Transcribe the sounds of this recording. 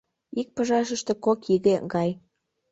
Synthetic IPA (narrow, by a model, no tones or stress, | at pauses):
ik̚pəʒɑʃ̬əʃt̪e̽kokiɣeɡɑj